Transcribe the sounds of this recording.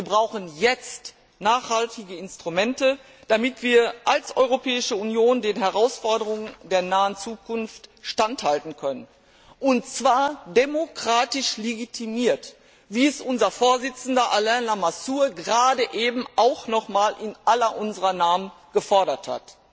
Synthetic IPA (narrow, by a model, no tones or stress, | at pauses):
viːɐbʁaʊxn̩jɛt͡st | naːχhaltɪɡəɪnstʁ̥umɛntə | d̥amɪtv̥iːɐʔalsʔɔʏʁopɛːɪʃəunjoːndeːnɦɛʁaʊsfɔɐdəʁʊŋəndeːɐnaːənt͡suːkʰʊnftʃtanthaltn̩kʰœnən | ʔʊntt͡sv̥aːɐdemokʁ̥aːtɪʃleɡitʰimiːɐt | viːɛsʔʊnzɐfoːɐzɪt͡sn̩dɐʔalɛnlamasuːɐɡəʁaːdəʔeːbm̩ʔaʊxnɔχmaːlʔɪnʔalɐʔʊnzəʁɐnaːmən | ɡ̥əfɔɐɾɐtha̰t